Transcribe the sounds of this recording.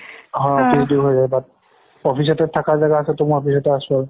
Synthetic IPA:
ɦɔɔpʰisduɹɦojzajbat̚ | ɔpʰisɔtɛtʰːakaɹzaɡaasɛtɔmɔɔpʰis̬ɔtɛasʊaɹ

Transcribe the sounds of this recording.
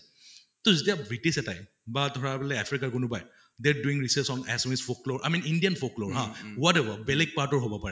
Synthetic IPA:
tozetiabɹitisɛtaj | batɔɹapɛlɛɛpʰɹikaɹkʊnʊpaj | d̪ɛɹduĩŋɹisəsɔnɛsomisfokloɹʔa̰mĩnindijanfʰokloɹɦãwɔtɛbabɛlɛɡ̚paɹtɔɹɦobɔpaɹɛ

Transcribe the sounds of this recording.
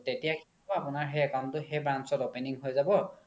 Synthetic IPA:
tetijakʰi | ʊapʊnaɹɦejɛkantʊɦejbɹansɔtopeniŋɦojzabɔ

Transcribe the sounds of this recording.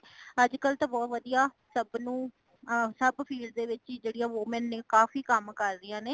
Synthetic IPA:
əd͡ʒkəlt̪ãːbɔːt̪ʋəd̪ijaː | səbnũː | səbpʰiːlɖd̪eːʋɪt͡ʃːd͡ʒeːɽijãːʋoːmɛnːeːkaːfiːkəmkəɾd̪ɪjãːneː

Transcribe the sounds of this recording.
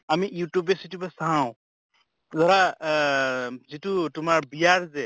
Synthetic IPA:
amijutubesitubesaw̃ | zaɾa | zitutumaɹbijaɹzɛ

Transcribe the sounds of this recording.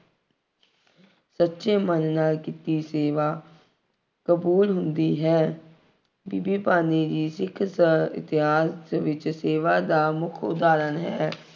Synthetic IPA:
sətːʃeːmənːaːlkiːt̪iːseːʋaː | kəbuːlɦʊnd̪iːɦɛː | biːbiːpaːniːd͡ʒiːsɪkʰsɪ̰t̪ɪɦaːsʋɪt͡ʃseːʋaːd̪aːmʊkʰʊ̰d̪aːɾənɦɛː

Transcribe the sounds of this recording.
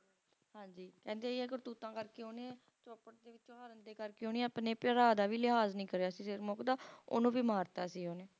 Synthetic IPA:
hãːɲd͡ʒiːkɛ̃ːnd̪eːiːɛːkʊɾt̪uːt̪ãːkəɾkeːoːnẽː | t͡ʃɔːpəʈd̪eːʋɪt͡ʃõːɦaɾənd̪eːkəɾkeoːneɛ̃əpneːpəɾaːd̪aːʋiːlɪɦaːznĩːkəɾeaːsiːsɪɾmoːkd̪aːʊ̰nõːʋiːmaːɾt̪aːsiːɦoːneː

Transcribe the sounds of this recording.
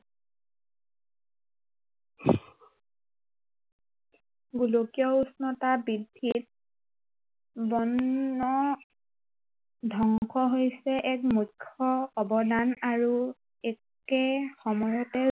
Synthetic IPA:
ɡulokiɔusnɔtabidʱːit̚ | bɔnːɔ | dʱɔŋkʰɔɦojsɛʔɛkmujkʰːɔːbɔdanaɹu | ɛk | ɛxɔmɔjɔtɛ

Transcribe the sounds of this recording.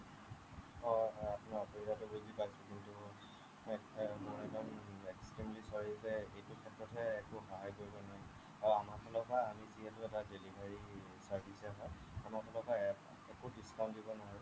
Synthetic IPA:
ɔapʊnaɹɔpoɹitatʊbojzipajsʊkintu | mʊɹɛzɔnekstɹimlisɔɹizɛejtʊkʰɛtɹɔtʰɛːkʊxɔɦajkoɹibɔna | aɹamakʰɔlɔkaːmiziɦɛtʊɛtadelibʱaɹi | saɹbʱisɛɦɔ | amakʰɔlɔka | ɛkʊdiskaw̃ntdibɔnɔɦɔj

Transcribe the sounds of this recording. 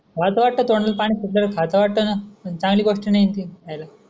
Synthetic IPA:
kat̪aʋaʈːət̪oɳəlpaɽ̃iːsiʈləɾkʰat̪aʋaʈːənat͡sãŋɡliːkoʂʈinajint̪iajla

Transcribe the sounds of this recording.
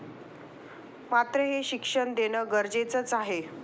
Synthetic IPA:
mat̪ɾəɦeɕikʂəɳd̪enəɡəɾd͡ʑet͡sət͡saɦe

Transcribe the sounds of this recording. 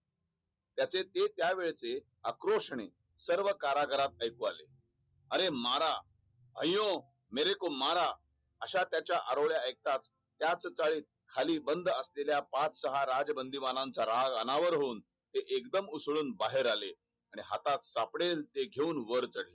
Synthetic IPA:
t̪jat͡set̪et̪jaʋeɭt͡se | akɾoʂɳe | səɾʋəkaɾaɡəɾat̪̚əjkua̰lḛ | əɾemaɾa | bʱəjõ | meɾekomaɾa | əɕat̪jat͡ɕjaʔaɾoɭjaek̚t̪at͡s | t̪ːjat͡st͡saɭiːt̪̚kʰaliːbənd̪ʱəsleljapat͡ssəɦaɾad͡zəbənd̪imanãnt͡saɾaɡənaʋəɾɦoːn | t̪eʔekd̪əmusɭuːnbaɦeɾale | aɽ̃iɦa̰t̪at̪sapɽelt̪eɡʱeuːnʋəɾt͡səɽ̤le

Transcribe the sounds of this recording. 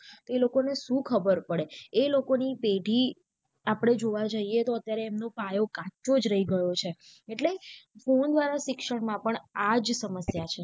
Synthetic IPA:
t̪oelokoneʃũkʰəbəɾpəɽeelokonipeɖʱi | apɽ̃ed͡ʒoʋad͡ʒəiet̪oət̪jaɾeːmnopajokãt͡ʃod͡ʒɾəɦiɡəjot͡ʃʰeeʈlefond̪ʋaɾaʃɪkʃəɽmãpəɳad͡ʒsəməsjat͡ʃʰe

